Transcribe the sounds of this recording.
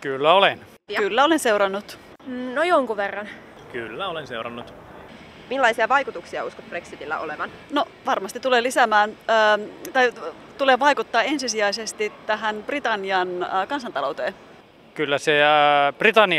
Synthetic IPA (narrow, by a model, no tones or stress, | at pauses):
kylːæolen | kylːæo̞lense̞uɾɑnːut̪ː | nojoŋkuʋerːɑn | kylːæolenseuwrɑ̰nːut̪ | milːɑisiɑʋɑjkut̪uksiɑuskot̪̚b̥reksit̪ilːæ̰ʔo̰leʋɑn | noʋɑrmɑst̪it̪ːuleːlisæmæːnəːt̪ɑj | t̪uleːʋɑikut̪ːɑːensisiæis̬est̪it̪ːæɦænb̥rit̪ɑnːiɑnkɑns̬ɑnt̪ɑlowt̪eːn | kylːæseb̥rit̪ɑnːi